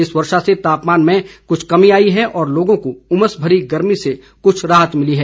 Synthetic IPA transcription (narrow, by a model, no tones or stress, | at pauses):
ɪswɐɾʃaset̪aːpmaːnmẽkʊt͡ʃʰkɐmiaːiɦɛʔɔːɾloːɡõkoʊməsbʱɐɾiɡɐɾmise | kʊt͡ʃʰɾaːɦət̪mɪliɦɛː